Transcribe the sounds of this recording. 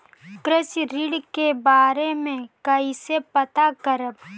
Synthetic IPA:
kɾɪsɾiɽkebaːɾemẽkəisepət̪akəɾəb

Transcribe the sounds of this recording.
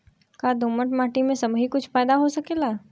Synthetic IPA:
kad̪ʱoːməʈmaːʈimẽsɐbɦikʊt͡ʃʰpaːd̪aɦosɐkeːlaː

